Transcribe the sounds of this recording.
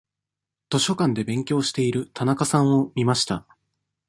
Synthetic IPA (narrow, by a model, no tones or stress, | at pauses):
t̪o̞ɕo̞kãnd̪e̞bẽ̞ŋkʲo̞ːɕi̥t̪e̞iɾɯ̟t̪ʰanakasãɰ̃o̞mʲimaɕi̥t̪a